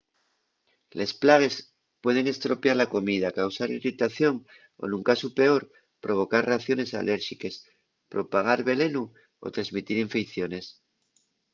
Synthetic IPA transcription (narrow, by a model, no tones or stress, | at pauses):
le̞splaɣ̞e̞s | pwe̞ð̞e̞ŋe̞st̪ɾo̞pjaɾlako̞mið̞akawsaɾirit̪aθjo̞ŋ | o̰nuŋkasupe̞o̞ɾ | pɾo̞β̞o̞kaɾraθjo̞ne̞sa̰lʔe̞ɾʃike̞s | pɾo̞paɣ̞aɾβe̞le̞nu | o̰t̪ɾazmit̪iɾiɱfekθjo̞ne̞s